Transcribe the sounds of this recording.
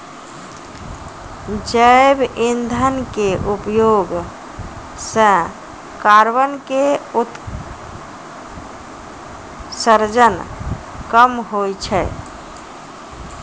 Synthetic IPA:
d͡ʒəebind̪ʱənkeʔupjoɡ | sə̃ | kaɾbənkeut̪ | səɾd͡ʒən | kəmɦojt͡ʃʰɛ

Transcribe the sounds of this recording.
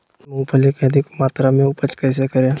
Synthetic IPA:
mũpʰəlekeəd̪ʱɪkmaːt̪ɾamẽʊpət͡ʃkɛːs̬ekəɾẽː

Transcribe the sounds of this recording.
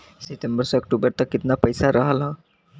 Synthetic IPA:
set̪embəɾsʌːk̚ʈubəɾt̪ʌkːit̪napəjsaɾʔʌɦəlɦʌ̃

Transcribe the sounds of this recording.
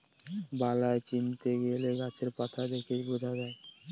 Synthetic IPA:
balaet͡ɕint̪eɡeleɡat͡ɕʰeɾpat̪ʰad̪ekʰejbod̪ʱadae

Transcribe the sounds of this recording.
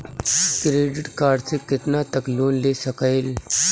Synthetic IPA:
kɾeːɖɪʈkaːɾɖsekɪt̪nat̪ɐkloːnleːsɐkəel

